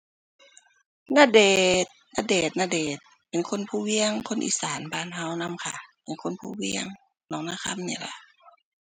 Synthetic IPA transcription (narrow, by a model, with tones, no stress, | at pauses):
naː˧˨deː˨˩t̪̚na˧deː˨˩t̪̚naː˧deː˨˩t̪̚ | pe˨nkʰo˧˥˨npʰuː˧˨wi˧əŋkʰo˧˥˨nʔḭː˧˨saː˨˦nbaː˧˨nɦa˧˥˨wna˧˥˨mkʰa˧˩pe˨nkʰo˧˥˨npʰuː˧˩˨wi˧əŋ | nɔː˧˨ŋnaː˧˥˨ka˧˥˨mnḭː˧˩la˧˩